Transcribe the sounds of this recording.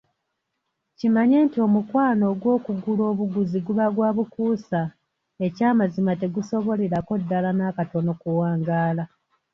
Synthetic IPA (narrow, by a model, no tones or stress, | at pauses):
cimaɲe̞ːntio̞mukwaːno̞ːɡwo̞ːkuɡulo̞ːβuɡuziɡuβaɡwaːβukuːsa | e̞caːmazimate̞ɡuso̞βo̞le̞ɾako̞dːalanaːkato̞no̞kuwaːŋɡaːla